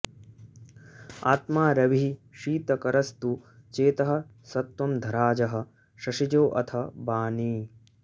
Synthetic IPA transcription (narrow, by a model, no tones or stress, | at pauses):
a̰ːt̪maːɾɐʋiʃiːt̪ɐkɐɾɐst̪ut͡ʃeːt̪ɐɦɐ̆ | sɐt̪wɐmd̪ʱɐɾaːd͡ʒɐɦɐ̆ | ʃɐʂid͡ʒoːʔɐ̰t̪ʰɐbaːniː